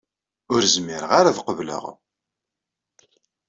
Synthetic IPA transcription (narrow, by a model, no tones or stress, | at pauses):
ʊɾzmɪɾəʁaɾaðqəvlə̰ʁ